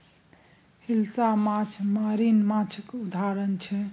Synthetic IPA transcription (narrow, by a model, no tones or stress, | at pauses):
hilsamat͡ʃʰmaɾinmat͡ʃʰəkud̪ʱaɾənt͡ʃʰɛ